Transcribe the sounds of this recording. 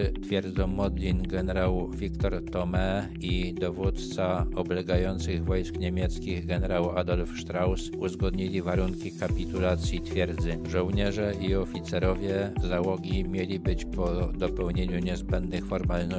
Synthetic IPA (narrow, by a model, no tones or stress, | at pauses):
t̪fʲjɛɾd̪zɔ̃w̃mɔd̪lʲinɡɛnɛɾawvʲikt̪ɔɾt̪ɔmɛ | id̪ɔvut̪t̪saɔblɛɡajɔnt̪sɘɣvɔjskɲemʲjɛt̪skʲiɣɡɛnɛɾawad̪ɔlfʂt̪ɾawsuzɡɔd̪ɲilʲivaɾuŋkʲikapʲit̪ulat̪sʲjit̪fʲjɛɾd̪zɘʐɔwɲɛʐɛiɔfʲit̪sɛɾɔvʲjɛzawɔɡʲimʲjelʲibɘt͡ɕpɔd̪ɔpɛwɲeɲuɲɛzbɛnd̪nɘxfɔɾmalnɔ